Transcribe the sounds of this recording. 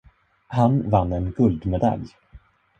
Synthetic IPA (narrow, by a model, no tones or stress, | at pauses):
hanvanːɛnɡɵld̪mɛd̪a̰lj